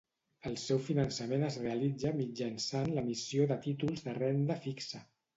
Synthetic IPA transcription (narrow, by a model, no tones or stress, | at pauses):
əlˠsɛwfinənsəmenəzreəlid͡zəmid͡ʒənsanləmisioðət̪it̪ulˠzðərɛnd̪əfiksə